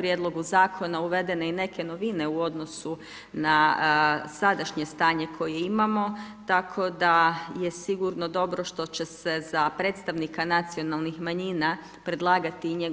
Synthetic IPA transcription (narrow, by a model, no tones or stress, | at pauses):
pɾjed̪lˠo̞ɡuzaːkʰo̞nauʋe̞d̪e̞ne̞ine̞kʰe̞no̞ʋine̞uo̞d̪no̞su | na | sad̪aʃɲe̞st̪aːɲe̞kʰo̞jeimamo̞t̪akʰo̞d̪aje̞siɡuɾno̞d̪o̞bɾo̞ʃt̪o̞t͡ɕe̞se̞z̥apɾe̞ːt̪st̪aʋnikanat̪sio̞nalˠnixmaɲiːna | pɾe̞d̪lˠaːɡat̪iɲeɡ